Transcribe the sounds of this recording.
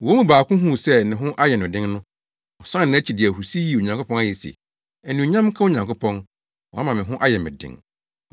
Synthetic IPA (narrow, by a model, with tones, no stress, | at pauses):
o˦mũ˨baː˨kʊ̃˦ɦũ˦˨sɛ˦nɪ̃˨ɦʊ̃˦ʔa˦jɛ˨nʊ̃˨dɪ̃˦ŋnʊ̃˦ | ɔ˨sã˦n˨nɪ̃˨˦t͡ɕʰi˨dɪ˨ɛ˨hu˨si˦ji˦˨o˨ɲã˨ŋkʰʊ˦pɔ̃˦na˦˨jɛ˨sḭ˨ | ɛ˨nĩ˨o˨ɲã˦m˦kʰa˦o˦ɲã˨ŋkʰʊ˦pʰɔ̃˦n | wɔ̰˨a˦mã˨mɪ̃˨ɦʊ̃˦ʔa˦jɛ˨mɪ̰̃˨dɪ̰̃˦ŋ